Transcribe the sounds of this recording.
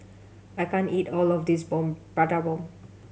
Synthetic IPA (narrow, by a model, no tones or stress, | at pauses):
aɪkãniʈɔːlɔvd̪is̬bɔ̃mpaʈabɔ̃m